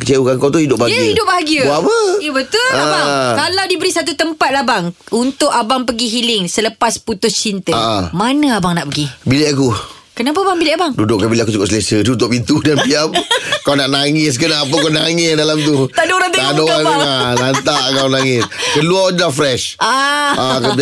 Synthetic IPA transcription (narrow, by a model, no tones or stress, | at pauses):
kət͡ʃeukankawt̪uhidʊp̚baɡihidʊp̚baaɡiəapəjəbət̪ʊlakalawdibəɾisat̪ut̪əmpat̪̚labaŋ | unt̪ʊʔabaŋpəɡiɦilɪŋsələpasput̪ʊst͡ʃint̪əaʔamanə̃abaŋnaʔpəɡibileʔaku | kənap̬aabaŋbilɛʔabaŋdudʊʔkabileʔakut͡ʃukʊʔsəlesədut̪ʊʔ̚pint̪udanpiamkawnaʔnaŋɪs̬kənaːp̬əkanaŋɪsdalamt̪̬ut̪aʔdoɾabt̪adoakualant̪aʔkawnaŋɪskəluaɲlafɾɛʃʔaaka